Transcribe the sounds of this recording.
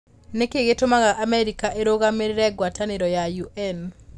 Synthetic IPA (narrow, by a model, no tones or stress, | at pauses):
nekeɡetomaɣaʔamɛɾikaʔeɾoɡameɾɾɛɡwataneɾɔjajuʔɛn